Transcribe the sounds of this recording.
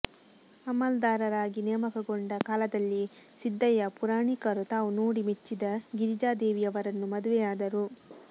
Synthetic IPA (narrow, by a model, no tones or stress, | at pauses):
ɐmɐld̪aːɾɐɾaːɡinɛjːɐmɐkɐɡoɳɖɐkaːlɐd̪ɐlːisid̪ːɐjɐpuɾaːɳikɐɾut̪aːʋunoːɽimet͡ʃːid̪ɐɡiɾid͡ʒaːd̪eːʋijɐʋɐɾɐnːumɐd̪uʋɛjaːd̪ɐɾu